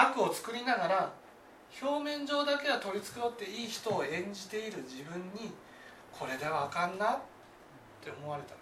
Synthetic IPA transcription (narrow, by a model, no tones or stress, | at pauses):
akɯ̟o̞t͡sɨ̥kɯ̟ɾʲinaɡaɾa | ço̞ːmẽ̞ɲ̟d͡ʑo̞ːd̪ake̞ɡat̪o̞ɾʲit͡sɨ̥kɯ̟ɾot̪ːe̞iːçi̥t̪o̞ːẽ̞ɲ̟d͡ʑit̪e̞iɾɯ̟d͡ʑibɯ̟̃ɲ̟ːi | kʰo̞ɾe̞d̪e̞βaːkãnːat̪ | t̪ːe̞o̞mo̞βaɾe̞t̪a